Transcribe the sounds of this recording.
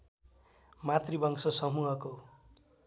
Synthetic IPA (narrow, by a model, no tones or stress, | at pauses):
mat̪ribʌŋsʌsʌmuɦʌko